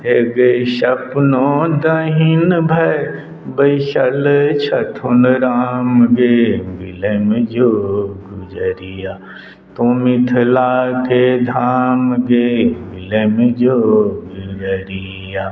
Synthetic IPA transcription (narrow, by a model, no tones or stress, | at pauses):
eɡeʃɐpnod̪ɐɦinbʱɐe | bɐiʃɐlt͡ʃʰɐt̪ʰunɾaːmɡebilemed͡ʒoːɡud͡ʒəɾijaː | t̪omit̪ʰlaːkʰed̪ʱaːmɡebɪlemed͡ʒoːɡud͡ʒəɾi | jaː